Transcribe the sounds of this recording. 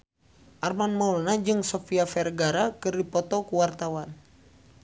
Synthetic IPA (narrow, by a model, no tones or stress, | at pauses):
ʔarmanmɔulnad͡ʒɨŋsɔfiafɛrɡaɾakɨrdipɔt̪ɔkuwart̪awan